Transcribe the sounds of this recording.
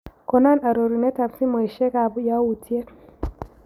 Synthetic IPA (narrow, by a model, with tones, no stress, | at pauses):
ko˨na˦na˨ɾo˨ɾi˨ne˦ta˨bsi˦mwe˨ʃe˦ka˨βja˦wu˨tʰi˦e˦